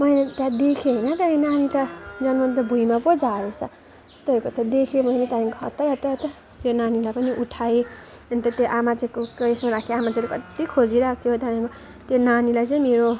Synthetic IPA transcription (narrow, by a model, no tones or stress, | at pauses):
mʌjet̪ad̪ekʰeɦʌjnʌt̪ʌenanit̪ad͡zʌnmʌnt̪ʌbʱujmapod͡zaɾesʌ̰ | test̪oʌɾukot̪ʌd̪ekʰomʌjnet̪aɦĩŋkoɦʌ̰t̪ːʌɾʌt̪ʌt̪ʌ | t̪jonanilajpʌniʔuʈʰai | ʌnt̪ʌt̪joʔamat͡sʌkokesmaɾakʰeamat͡saɾekʌt̪ikʰod͡ziɾʌk̚ʰt̪ʰjɦot̪ʌpaĩŋko | t̪jonanilajt͡sʌĩmeɾo